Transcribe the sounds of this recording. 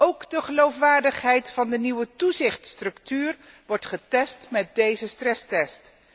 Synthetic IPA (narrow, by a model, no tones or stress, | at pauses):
owkdəχəlowfʋaːɹdəχɦɛjtfɑndəniwətuzɪχtstrɵktyːr | ʋɔɹtχətɛstmɛt̚dejzəstrɛstɛst